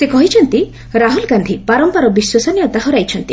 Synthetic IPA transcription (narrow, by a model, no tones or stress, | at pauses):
sekɔɦit͡ʃʰɔnt̪i | ɾaɦulɡand̪ʱipaɾɔmpaɾɔbiswɔsɔnjɔt̪aɦɔɾajt͡ʃʰɔnt̪i